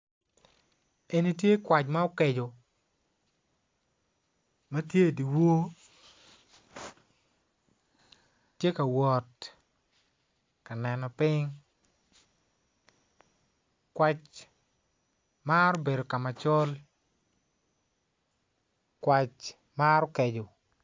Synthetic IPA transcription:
e˨ni˦tje˦kwa˨t͡ʃma˦ɔ˦ke˨d͡ʒo˨ | ma˦tje˦˨di˨wo˦ | je˦ka˨wɔ˨t | ka˨nɛ˨nɔ˨pɪ˦ŋ | kwa˦t͡ʃ | ma˦ɾɔ˦be˨do˨ka˨ma˨t͡ʃɔ˦l | kwa˨t͡ʃ | maɾɔ˦ke˨d͡ʒo˨

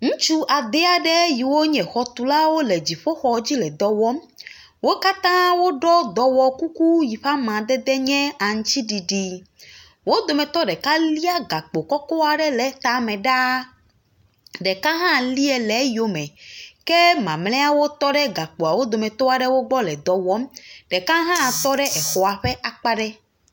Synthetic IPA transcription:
ŋũ˦t͡ʃu˦ʔa˨d̪ɛ˦a˨ɖɛ˦ji˨wo˦ɲɛ̃˨xɔ˨t̪u˨la˦wo˦le˨d͡ʑi˨ɸo˦xɔ˨d͡ʑi˦lɛ˨d̪ɔ˨wɔ˦m | wo˦ka˦t̪ã˦wo˦ɖɔ˦d̪ɔ˨wɔ˦ku˦ku˦ji˨ɸa˦mã˨d̪ɛ˦d̪ɛ˦ɲɛ̃˦a˨ŋ̩̃˦t͡ɕi˦ɖi˨ɖi˨ | wo˦d̪o˨mɛ̃˨t̪ɔ˦ɖɛ˨ka˦li˦a˦ɡa˨k͡po˨kɔ˦kɔ˦a˨ɖɛ˦le˨t̪a˨mɛ̃˨ɖa˦ | ɖɛ˨kã˦ɦã˦˨li˦ɛ˨le˨˦jo˨mɛ̃˨ke˦mã˨mlɛ˦a˦wo˦t̪ɔ˦ɖɛ˦ɡa˨k͡po˨a˨wo˦d̪o˨mɛ̃˨t̪ɔ˦a˨ɖe˦wo˦ɡ͡bɔ˦lɛ˨d̪ɔ˨wɔ˦mɖe˨kã˦ɦã˦˨t̪ɔ˦ɖɛ˦ʔɛ˨xɔ˨a˨ɸe˦ʔa˨k͡pa˦ɖɛ˦

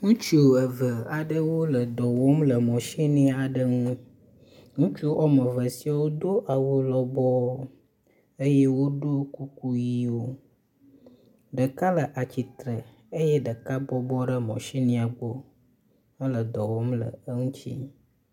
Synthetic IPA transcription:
ŋũ˦t͡ʃu˦o˨ə˨və˨a˨ɖə˦wo˦lə˨d̪ɔ˨wo˦mlə˨mɔ̃˨ʃi˦nĩ˦a˨ɖə˦ŋũ˦ | ŋũ˦t͡ʃu˦o˦ʔɔ˦mə˨və˨si˦a˨wo˦d̪o˦ʔa˨wo˦lɔ˦bɔ˦ | ə˦je˦wo˦ɖo˦ku˦ku˦ji˦wo˦ | ɖə˨ka˦lə˨ʔa˨t͡ɕi˨t̪ɾə˨ | ə˦je˦ɖə˨ka˦bɔ˦bɔ˦ɖə˦mɔ̰̃˨ʃi˦nĩ˦a˨ɡ͡bo˦ | ə˦lə˨d̪ɔ˨wo˦mlə̰˨ə˦ŋũ˦t͡ɕḭ˦

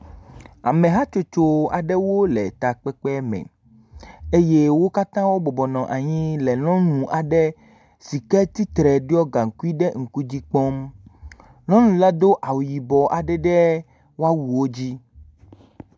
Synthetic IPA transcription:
a̰˨mẽ˨ɦa˦t͡ʃo˦t͡ʃo˨a̰˨ɖɛ˦wo˦lɛ̰˨t̪a˨k͡pɛ˦k͡pɛ˦mɛ̰̃˨ | e˦je˦wo˦ka˦t̪ã˦wo˦bɔ˨bɔ˨nɔ̃˨ʔa˨ɲĩ˦lɛ˨nɔ̃˦nũ˨ʔa˨ɖɛ˦ | si˨kɛ˦t̪i˦t̪ɾɛ˨ɖi˦ɔ˦ɡa˨ŋ̩˨ku˦i˦ɖɛ˦ŋ̩˨ku˦d͡ʑi˦k͡pɔ˦m | nɔ̃˦nũ˨la˦d̪o˦ʔa˨wu˨ji˨bɔ˨ʔa˨ɖɛ˦ɖɛ˦ | wo˦a˦wu˨wo˦d͡ʑi˦

